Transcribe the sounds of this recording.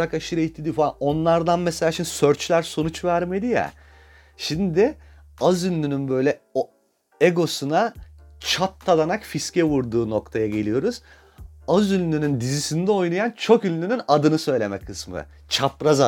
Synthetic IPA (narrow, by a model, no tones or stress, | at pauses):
ɾakaʃɯɾait̪ʰːid̪ifao̞nlˠaɾd̪anmɛse̞lʲaːʃimnd̪isø̞ɾt͡ʃlʲæɾso̞nut͡ʃvæɾme̞d̪ijɛ̰ | ʃimd̪ɪ | azylʲːynynbø̞jlʲɛo | eɡo̞sunat͡ʃʰat̪ʰːad̪anakfiscɛvuɾd̪uːno̞kt̪ʰajaɟe̞lʲijo̞ɾuz̥ | azylʲːynynd̪izisind̪ɛo̞jnajant͡ʃʰo̞kynʲːynynad̪ɯnɯsø̞jlʲe̞mɛkʰːɯsmɯ̰ | t͡ʃʰapɾaza